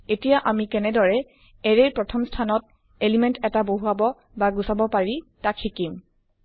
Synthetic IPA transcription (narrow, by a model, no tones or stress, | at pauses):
etijaʔamikɛnɛdɔɹɛ | ɛɹeɹpɹɔtʰɔmstʰanɔt̚ | elimɛntɛtaboɦuabɔ | baɡusabɔpaɹitakʰːikim